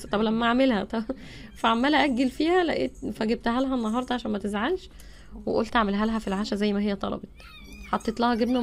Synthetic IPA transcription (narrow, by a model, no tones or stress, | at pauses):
t̪ˤɑblæmːæʕamelhæt̪ˤɑ | fæʕamːæːlæʔæɡːelfiːhælæ̰ʔeːt̪fæɡeb̚t̪hælɦænːɑɦɑɾˤd̪ˤɑʕaʃæːnmæt̪ezʕalʃ | weʔolt̪aʕmelɦælɦæfilʕaʃæzæjːmæɦejːæt̪ˤɑ̰lɑ̰bet̪ˤ | ħɑt̪ˤːeːt̪læhæɡebnæ